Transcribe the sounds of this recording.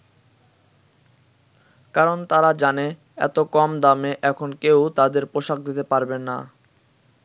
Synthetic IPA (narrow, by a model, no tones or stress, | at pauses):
kaɾont̪aɾad͡ʑane | ɛ̰t̪okɔmd̪ameʔɛkʰonkewt̪ad̪eɾpoʃak̚d̪it̪epaɾbenːa̰